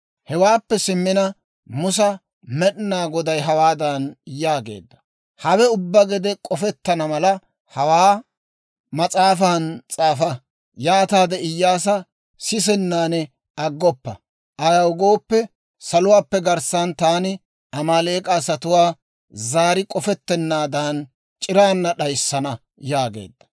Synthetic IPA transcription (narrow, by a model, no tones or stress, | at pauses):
hɛwaːpːɛsɪmːɪnɐ | mʊs̬ɐ | mɛɗnaːɡɔd̪ɐjɦɐwaːd̪ɐnɪjːaːɡe̞̰ːd̪ːɐ̥ | hɐwɛʊbːɐɡɛd̪ɛkʼɔfɛt̪ːɐnɐmɐlɐ | hɐwaː | mɐt͡sʼaːfant͡sʼaːfɐ | jaːt̪aːd̪ɛɪjːaːs̬ɐ | sɪs̬ɛnːaːnɛ | ɐɡːɔpːɐ | ʔɐjɐwɡo̞ːpːɛ | sɐlʊwaːpːɛɡɐɾsaːnt̪aːnɪ | ɐmaːle̞ːkʼaːsɐt̪ʊwaː | zaːɾɪkʼɔfɛt̪ːɛnːaːd̪an | t͡ʃʼɪɾaːnːɐɗɐjsːɐnɐ | jaːɡe̞̰ːd̪ːɐ̥